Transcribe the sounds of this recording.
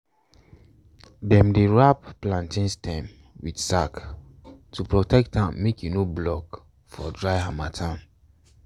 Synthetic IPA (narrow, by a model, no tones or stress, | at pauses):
dɛ̃mdeɹapːlãntĩnstʰɛ̃m | widsak | tʰupɹɔtɛk̚tãmmekjunoblɔk | fɔdɹaɪhamatʰãn